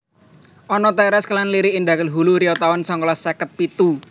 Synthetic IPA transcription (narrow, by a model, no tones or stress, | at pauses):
ʔɔnɔt̪ɛɾɛsklanliɾiːnɖ̪akəlɦuluɾiɔt̪awɔnsɔŋkɔlasakət̪̚pit̪u